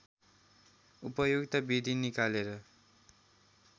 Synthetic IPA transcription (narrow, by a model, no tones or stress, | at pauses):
upʌjoɡt̪ʌbid̪ʱinikaleɾʌ